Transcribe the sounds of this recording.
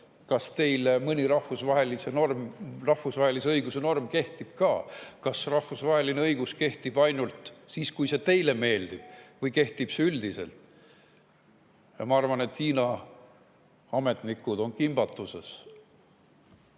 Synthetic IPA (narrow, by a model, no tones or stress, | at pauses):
kɑst̪e̞jlemɨnʲiɾɑhfusvɑɦe̞lise̞normrɑhvusvɑhe̞liseɤjɡ̥use̞no̞rmke̞ht̪ib̥kɑːkɑsrɑhfusvɑɦe̞lineɤjɡ̥uske̞ht̪ib̥ɑjnult̪siːskujse̞t̪e̞jle̞me̞ːld̪̥ib̥̚vɤjke̞ht̪ib̥seyld̪̥ise̞̰lt̪ˑ | jɑmɑɑrvɑne̞t̪hiːnɑ | ɑme̞t̪nikːˑud̪o̞nkimb̥ɑt̪ːˑuse̞̰s